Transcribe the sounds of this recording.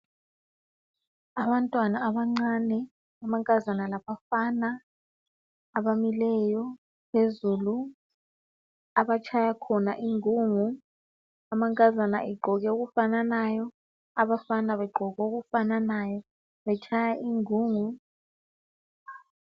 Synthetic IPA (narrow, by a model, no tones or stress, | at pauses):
aɓantʼwanaːɓaŋ͡ǀanɛ | amaŋkʼazanalaɓafana | ɓamilɛjɔ | pʰezuːlu | aɓat͡ʃʰajakʰɔnaʔiŋuːŋu | amaŋkʼazana̰ʔiɡ͡ǃʱɔk̬ɛuk̬ufananajɔ | aɓafanaɓɛɡ͡ǃʱɔk̬ɛuk̬ufananajɔ | ɓɛt͡ʃʰajaʔiŋuːŋu